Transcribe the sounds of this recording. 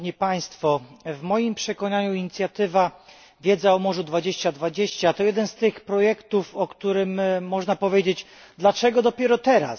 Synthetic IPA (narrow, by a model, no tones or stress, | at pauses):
ɲipaj̃st̪fɔvmɔjimpʂɛkɔɲaɲuiɲit̪sʲjat̪ɘva | vʲjɛd̪zaɔmɔʐud̪vad͡ʑeɕt͡ɕad̪vad͡ʑeɕt͡ɕat̪ɔjɛd̪ɛnst̪ɘxpɾɔjɛkt̪ufɔkt̪uɾɘmːɔʐnapɔvʲjed͡ʑet͡ɕ | d̪lat͡ʂɛɡɔd̪ɔpʲjɛɾɔt̪ɛɾa̰